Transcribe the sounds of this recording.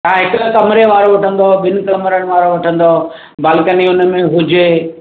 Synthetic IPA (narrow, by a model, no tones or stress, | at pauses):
ãɦɪk̆kɐmɪɾeʋaːɾoʋɐʈʰə̃nd̪oɓɪnʊ̆kɐmɾəɽ̃̆ʋaːɾoʋɐʈʰə̃nd̪o | baːlkəniʊnə̆mẽɦʊd͡ʑeː